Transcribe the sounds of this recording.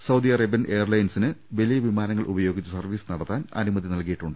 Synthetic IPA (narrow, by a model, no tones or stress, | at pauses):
sɐwd̪iɐrɐbjɐnʔe̞ːɐrlɐjnsinɨʋelijɐʋimaːnɐŋːɐɭʔubɐjo̞ːɡit͡ɕːɐsɐrʋiːsɨnɐɽɐt̪ːaːnɐ̰numɐðinɐlkijiʈːuɳɖɨ